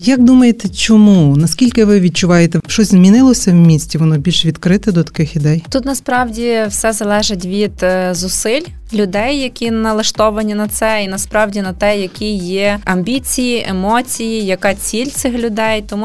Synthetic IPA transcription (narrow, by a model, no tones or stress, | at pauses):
jɐk̚d̪umɐjet̪ɛt͡ʃɔmunɐskʲilʲkɪʋɪʋʲid̪̚t͡ʃʊʋɑjet̪ɛʃt͡ʃɔsʲzmʲinɪlˠɔsʲɐwmʲisʲtʲiʋɔnɔbʲilʲʃʋʲid̪kɾɪt̪ɛd̪ɔt̪ɐ̥kɪxid̪ɛjt̪ut̪nɐspɾɑwdʲiwsɛzɐlˠɛʒɪt̬ʲʋʲid̪̥zʊsɪlʲ | lʲʊd̪ɛjːɐkʲinɐlˠɐʃt̪ɔʋɐnʲinɐt̪sɛinɐspɾɑwdʲinɐt̪ɛjɐkʲijɛɐmʲbʲit͡sʲijiʔemɔt͡sʲijijɐkɑt͡sʲilʲt̪sɪxlʲʊd̪ɛjt̪ɔmu